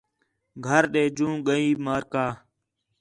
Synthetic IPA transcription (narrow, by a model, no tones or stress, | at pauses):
ɡʱəɾɗeːd͡ʒũːɠəiːmaːɾkaː